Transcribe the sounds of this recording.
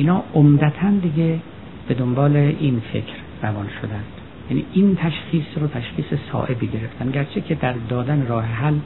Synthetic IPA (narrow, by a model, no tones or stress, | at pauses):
iːnhɒːomd̪æt̪ʰænd̪iɡe | b̥e̞d̪ombɒːleʔinfe̞̰kʰɾ | rævɒnʃo̰d̪ænd̪̥ | jænḭːʔint̪ʰæʃxiːsɾot̪ʰæʃxiːsesɒ̰ːʔe̞biɟe̞ɾe̞ft̪ænɡæɾt͡ʃʰekʲʰed̪æɾd̪ɒːd̪æneɾɒːheɦæl